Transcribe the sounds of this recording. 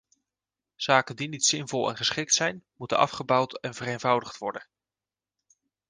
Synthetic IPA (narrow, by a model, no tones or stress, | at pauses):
z̥aːkəndinitsɪnvɔlˠɛ̰nχəsχɪk̚tsɛjnmutənɑ̰fχəbɑwtɛnvərejnvʌwdəχtʋɔɹdən